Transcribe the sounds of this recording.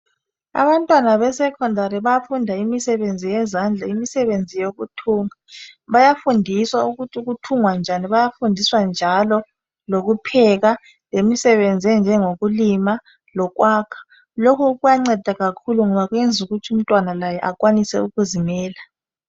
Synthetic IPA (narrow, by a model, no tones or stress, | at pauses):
a̰βantʼwanaβɛsɛkʰɔndʱaɾiβajafundʱaimisɛβend͡zʱijɛzand͡ɮʱaimisɛβend͡zʱijoɣutʰuːŋaβajafundʱiswauɣutʰiuɣ̬utʰuŋwand͡ʒʱaniβajafundʱiswand͡ʒʱalɔ | loɣupʰɛɣa | lemisɛβend͡zʱiɛnd͡ʒʱɛŋoɣulima | lɔkwaːkʰḁ | lokʰɔɣujaŋ͡ǀɛd̥ʱaɣakʰuluŋɔβaɣwɛnd͡zʱuɣutʰium̩tʼwanalajɛʔakʼwanisɛ̰uɣuzimɛːla